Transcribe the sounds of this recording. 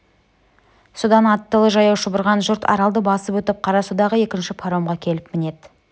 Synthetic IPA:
sod̪ɑnɑt̪ːəlˠəʒɑjɑwʃəbʊɾʁɑnʒʊɾt̪ʰɑ̰ɾɑlˠd̪əbɑsəpɵt̪ɪp̚qʰɑɾɑsud̪ɑʁəe̞kʲɪnʃɪpʰaɾo̞mʁɑkʲʰe̞lɪpmɪne̞d̪

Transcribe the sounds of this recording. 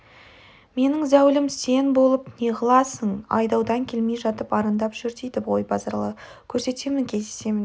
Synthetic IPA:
me̞nɪŋzæwlɪmse̞nbo̞lˠəpneʁəlˠɑsəɴɑ̰jd̪ɑwd̪ɑŋkʲʰe̞lme̞jʒɑt̪əpɑɾənd̪ɑpʒ̥ʏɾt̪ejd̪ɪpʁo̞jbɑzɑɾlˠə | kʲʰɵɾse̞t̪e̞mɪŋkʲʰe̞zd̪e̞se̞mɪn

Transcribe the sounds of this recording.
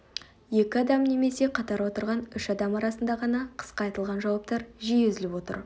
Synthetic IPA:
je̞kʲɪɑd̪ɑmne̞me̞se̞qʰɑt̪ɑɾwo̞t̪əɾʁɑnʏʃɑd̪ɑmɑɾɑsənd̪ɑʁɑnɑqʰə̥sqɑːjt̪əlˠʁɑnʒɑwɑp̚t̪ɑɾʒijezɪlɪpwo̞t̪ə̰ɾ

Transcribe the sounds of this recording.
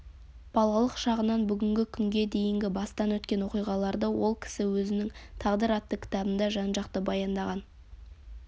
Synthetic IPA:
b̥ɑlˠɑlˠəqʃɑʁənɑnbʏɡʲɪŋɡʲɪkʲʰʏŋɡʲe̞d̪e̞jɪŋɡʲɪbɑst̪ɑnwɵt̪kʲe̞nwo̞qijʁɑlˠɑɾd̪əwo̞lˠkʲʰɪ̥sɪwɵzɪnɪŋt̪ʰɑʁd̪əɾɑt̪ːəkʲʰɪ̥t̪ɑbənd̪ɑʒɑnʒɑqt̪əbɑjɑnd̪ɑʁɑn

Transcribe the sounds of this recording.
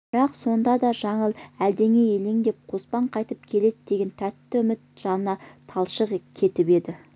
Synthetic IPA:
b̥ɪɾɑqso̞nd̪ɑd̪ɑʒɑɴəlˠæld̪e̞ŋe̞jeleŋd̪e̞p̚qʰo̞spɑɴqʰɑjt̪əpkʲʰe̞le̞d̪ɪd̪e̞ɡʲe̞nt̪ʰæt̪ːɪʏmɪt̪ʒ̥ɑnənɑt̪ʰɑlˠʃəʁkʲʰe̞t̪ɪpe̞d̪ɪ

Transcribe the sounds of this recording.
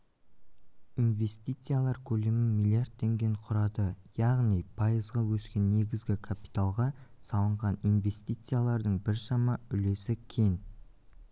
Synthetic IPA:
inve̞st̪ijt̪sɨjalˠɑɾkʲʰɵle̞mɪmijlʲˠiard̪̚t̪ʰːe̞ŋɡʲe̞ɴqʰʊɾɑd̪əjɑʁnijpʰɑjəzʁɑwɵskʲe̞nːe̞ɡʲɪzɡʲɪkʰapi̥t̪alˠʁɑsɑlˠəɴʁɑninve̞st̪ijt̪sɨjalˠɑɾd̪əɴbɪɾʃɑmɑʏle̞sɪkʲʰe̞ŋ

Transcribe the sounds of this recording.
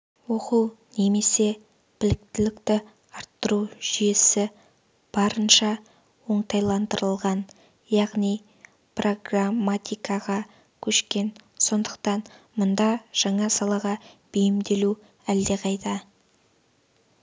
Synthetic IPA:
wo̞quwne̞me̞se̞ | b̥ɪlɪk̚t̪ɪlɪkt̪ɪ | ɑɾt̪ːəɾuʒ̥ije̞sɪ | b̥ɑɾənʃɑ | wo̞ɴt̪ɑjlˠɑnd̪əɾəlˠʁɑn | jɑʁnij | prʔo̞ɡramat̪ʲijkɑʁɑ | kʲʰɵʃkʲe̞nso̞nd̪əqt̪ɑnmʊnd̪ɑʒ̥ɑɴɑsɑlˠɑʁɑb̥ejɪmd̪e̞lu | æld̪e̞qʰɑjt̪ɑ

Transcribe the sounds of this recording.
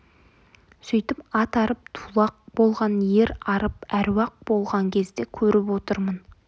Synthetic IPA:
sɵjt̪ɪpɑt̪ɑɾəp̚t̪ʰulˠɑq̚bo̞lˠʁɑnje̞ɾɑɾəp̚æɾwɑq̚bo̞lˠʁɑŋkʲʰe̞zd̪e̞kʲʰɵɾɪpwo̞t̪əɾmən

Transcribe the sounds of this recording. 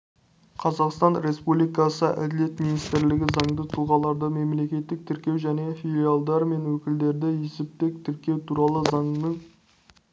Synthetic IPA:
qʰɑzɑqst̪ɑnɾe̞spublijkɑsəʔæ̰d̪ɪle̞t̪minist̪ɪɾlɪɡʲɪzɑɴd̪ət̪ʰʊlˠʁɑlˠɑɾd̪əme̞mle̞kʲe̞t̪ːɪk̚t̪ʰɪɾkʲe̞wʒæne̞filʲialˠd̪ɑɾme̞nwɵkʲɪld̪e̞ɾd̪ɪjesɪp̚t̪e̞k̚t̪ʰɪɾkʲe̞wt̪ʰuɾɑlˠəzɑɴnəŋ

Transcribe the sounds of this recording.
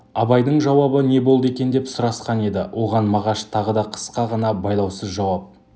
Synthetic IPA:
ɑbɑjd̪əɴʒɑwɑbəne̞bo̞lˠd̪əe̞kʲe̞nd̪e̞psʊɾɑsqɑne̞d̪ɪwʔo̞ʁɑnmɑʁɑʃt̪ʰɑʁəd̪ɑqʰə̥sqɑʁɑnɑbɑjlˠɑwsəzʒɑwɑp̚

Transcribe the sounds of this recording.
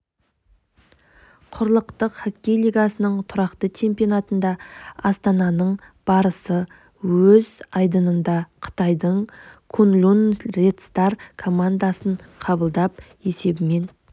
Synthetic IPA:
qʰʊɾlˠəqt̪əqχakʲːe̞jlˠiɡɑsənəɴt̪ʰʊɾɑqt̪ət͡ʃʰe̞mpijo̞nɑt̪ənd̪ɑɑst̪ɑnɑnəɴ | b̥ɑɾəsə | wɵzɑjd̪ənənd̪ɑqʰə̥t̪ɑjd̪əɴkʰʊnlʲunɾet̪st̪ɑɾkʰo̞mand̪asəɴqʰɑbəlˠd̪ɑp | e̞se̞bɪme̞n

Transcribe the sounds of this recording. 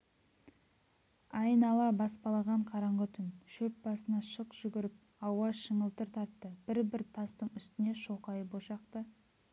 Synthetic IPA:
ɑjənɑlˠɑbɑspɑlˠɑʁɑɴqʰɑɾɑɴʁət̪ʰʏnʃɵp̚bɑsənɑʃəqʒ̥ʏɡʲɪɾɪp̚ | ɑwɑʃəɴəlˠt̪əɾt̪ʰɑɾt̪ːəb̥ɪɾbɪɾt̪ʰɑst̪əɴʏst̪ɪne̞ʃo̞qɑjəboʃɑqt̪ə

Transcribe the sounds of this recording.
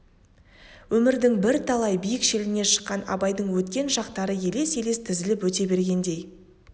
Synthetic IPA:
wɵmɪɾd̪ɪŋbɪɾt̪ʰɑlˠɑjbijɪkʃe̞lɪne̞ʃə̥qːɑnɑ̰bɑjd̪əɴwɵt̪kʲe̞nʒɑqt̪ɑɾəje̞le̞se̞le̞st̪ʰɪzɪlɪpwɵt̪e̞be̞ɾɡʲe̞nd̪e̞j

